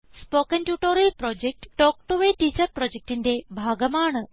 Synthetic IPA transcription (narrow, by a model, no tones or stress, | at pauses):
spokənʈjuʈoɾilpɾɔd͡ʑek̚ʈʈɔk̚ʈuʋeʈiːt͡ɕəɾpɾɔd͡ʑek̚ʈind̪ebʱaːɡəmaːɳə